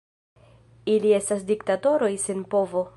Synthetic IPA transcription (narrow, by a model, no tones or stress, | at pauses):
ilie̞stas̬diktato̞ɾo̞jsenpo̞vo̞